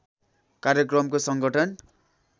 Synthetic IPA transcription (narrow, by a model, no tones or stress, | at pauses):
kaɾjʌkrʌmkosʌŋɡʌʈʰʌn